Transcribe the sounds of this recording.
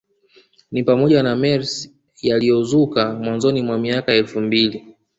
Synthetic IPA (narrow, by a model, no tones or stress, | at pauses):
nipamɔʄanamɛɾs | jalijɔzukamwanzɔnimwamiakaɛlfumbili